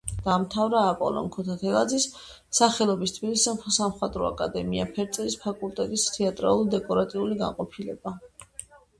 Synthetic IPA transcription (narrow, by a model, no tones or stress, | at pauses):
d̪̥amt̪ʰavɾaːpʼɔ̰lɔ̰nkʰɔt̪ʰat̪ʰɛlˠad̪zisː | aχɛlˠɔbist̪ʰbilisɛmsamχwat̪ʼɾɔa̰kʼa̰d̪ɛmiapʰɛɾt̪sʼɛlispʰakʼulˠt̪ʼɛt̪ʼist̪ʰɛat̪ʼɾa̰lˠulid̪ɛkʼɔɾat̪ʼiuliɡa̰nqʼɔpʰilɛ̰ba